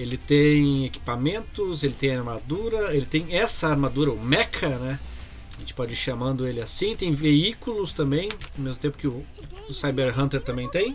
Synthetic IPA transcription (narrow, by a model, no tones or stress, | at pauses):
elɪt̪ẽj̃eki̥pamẽnt̪ʊzelɪt̪ẽj̃aɾmad̪uɾɐelɪt̪ẽj̃ɛsɐaɾmad̪uɾɐʊmɛkʰɐnɛ | aʒẽt͡ʃɪ̥pɔd͡ʒɪiɾʃamɐ̃nd̪ʊelɪasĩt̪ẽj̃veikulʊst̪ɐ̃mbẽj̃awmezmʊt̪ẽpʊ̥kɪʊ | ʊsajbeɾɦɐ̃nt̪eɾt̪ɐ̃bẽj̃t̪ẽj̃